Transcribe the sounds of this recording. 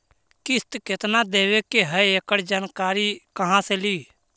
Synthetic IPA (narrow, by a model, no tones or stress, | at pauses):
kɪst̪kɪt̪nad̪eːʋekeɦəeːkəɽd͡ʒaːnkaːɾikəɦãseliː